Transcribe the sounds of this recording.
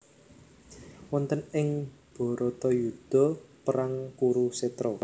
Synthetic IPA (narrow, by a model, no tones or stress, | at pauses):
wɔnt̪ənɪŋb̥ɔ̤ɾɔt̪ɔjud̪̥ɔ̤pəɾaŋkuɾuset̪ɾɔ